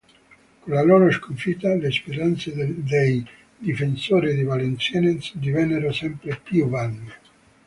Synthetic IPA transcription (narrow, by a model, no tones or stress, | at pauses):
konlaloːɾoskoɱfit̪ːalespeɾant̪sed̪ej | d̪ifensoːɾid̪ivalent̪sjɛnensd̪ivɛnːeɾosɛmpɾepjuvanːe